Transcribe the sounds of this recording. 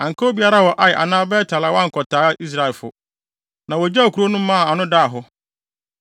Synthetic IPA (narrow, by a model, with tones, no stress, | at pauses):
ã˨ŋ̩˨kʰo˦bi˨˦a˦ɾa˦wɔ˨ʔa˨jɪ˨ʔa̰˨nãː˦bɛː˦tʰa˨la˨˦wã˦ŋ̩˨kʰɔ˨tʰaː˨˦ʔi˦s̬ɾa˨ɛ˨lfʊ̰˨ | nã˨wɔ˨d͡ʑa˦˨kʰu˨ɾo˦nʊ̃˦mã˦˨a˨nʊ̃˦da˦a˨ɦʊ˦